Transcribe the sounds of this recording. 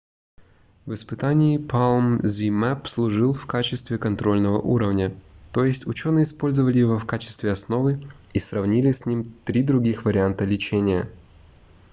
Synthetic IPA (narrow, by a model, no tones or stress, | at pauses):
vɨspɨt̪anʲɪːpʰalˠmzʲimɛpslˠʊʐɨlˠfkat͡ɕɪst̪vʲɪkɐnt̪ɾo̞lʲnəvə̰ʔuɾəvnʲət̪o̞jɪsʲtʲʊt͡ɕo̞nɨjəɪspo̞lʲzəvəlʲɪjɪvofkat͡ɕɪ̥st̪vʲɪɐsno̞vɨ | isrɐvnʲilʲɪsʲnʲimt̪ɾʲid̪ɾʊɡʲixvəɾʲɪant̪əlʲɪt͡ɕenʲɪjə